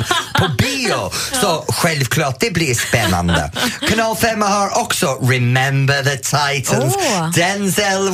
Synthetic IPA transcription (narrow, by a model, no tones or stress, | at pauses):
pʰɔbiːɔsɔxwɛlv̥kʰlˠɔt̚d̥ɪbliəspɛna̰ndə̰kʰənɔlˠfɛmahɔɹʔɔksɔɹɪmɛ̃mbəðətʰajtʰə̃nzd̥ɛnzɛlˠ